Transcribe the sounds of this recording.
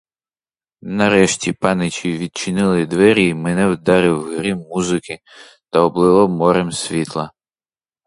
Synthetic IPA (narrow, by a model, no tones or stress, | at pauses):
nɐɾɛʃtʲipɑnɪt͡ʃʲiʋʲid̪̚t͡ʃɪnɪlˠɪd̪ʋɛɾʲimɛnɛwd̪ɑɾɪwɦɾɪmuzɪkɪ | t̪ɐɔblˠɪlˠɔmɔɾemsʲʋʲit̪lˠɐ